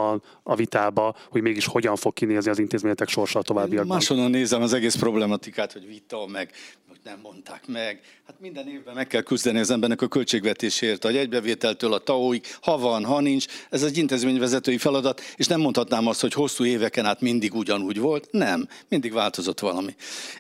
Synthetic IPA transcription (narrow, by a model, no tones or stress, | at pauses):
ɒn | ɒvit̪aːbɒho̞ɟmeːɡiʃho̞ɟɒɱfo̞kkːineːzniɒzint̪eːzmeːɲɛt̪ɛkʃo̞rʃɒlt̪o̞vaːbːiɒmaaːʃonːɒnːeːzɛmɒzɛɡeːspro̞blɛmɒt̪ikaːt̪ho̞ɟvit̪ɒmɛɡoɟnɛmːo̞nt̪a̰ːkmɛɡ | haːt̪mind̪ɛneːvbɛmɛkːɛlkyzd̪ɛniɒzɛmbɛrnɛkɒkø̞lt͡ʃeːɡvɛt̪eːʃeːiːrt̪ɒɛɟbɛveːt̪ɛlt̪øːlɒt̪ɒoːikhɒvɒnɦɒnint͡ʃɛzɛɟint̪eːzmeːɲvɛzɛt̪øːjifɛlɒd̪ɒt̪eːʃnɛmːo̞nt̪hɒt̪naːmɒst̪ho̞cho̞sːuːeːvɛkɛnaːt̪mind̪iɡuɟɒnuːɟvo̞lt̪nɛmmind̪iɡvaːlt̪o̞zo̞t̪ʋɒlɒmi